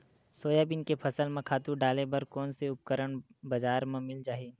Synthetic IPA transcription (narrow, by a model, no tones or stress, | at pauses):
soːjaːbɪnkepʰɐsəlmẽkʰaːt̪uɖaːlebɐɾkɔːnseʊp̚kəɾəɽ̃bɐd͡ʒaːɾmẽmɪld͡ʒaːɦiː